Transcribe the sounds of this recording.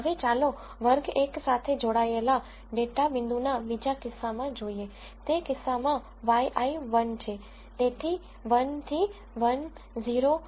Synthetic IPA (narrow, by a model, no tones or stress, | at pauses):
ɦəʋet͡ʃalo | ʋəɾɡeksat̪ʰed͡ʒoɽaela | ɖeʈabɪ̃nd̪ʱunabid͡ʒakɪsːamãd͡ʒoie | t̪ekɪsːamã | ʋajʔaiʋənt͡ʃʰe | t̪et̪ʰi | ʋənt̪ʰi | ʋən | ziɾo